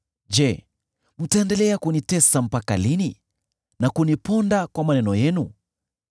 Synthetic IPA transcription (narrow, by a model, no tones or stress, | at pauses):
d͡ʒɛ | m̩taɛndɛlɛakunitɛsam̩paka̰lini | nakunipɔndakwamanɛnɔjɛnu